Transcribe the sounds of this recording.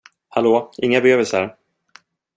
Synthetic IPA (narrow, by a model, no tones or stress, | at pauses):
haloːɪŋːabɛøːvəlsəɾ